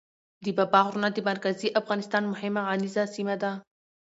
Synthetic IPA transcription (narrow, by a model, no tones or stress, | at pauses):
d̪əbabɑɣɾunad̪əmaɾkaziʔafɣɑnɪst̪ɑnmʊhɪmaɣɑnizasimad̪a